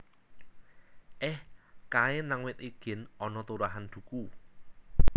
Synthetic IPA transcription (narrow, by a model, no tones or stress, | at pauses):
ʔɪhkaɪnaŋwɪt̪̚iɡ̥ɪ̤nɔnɔt̪uɾaɦand̪̥ṳku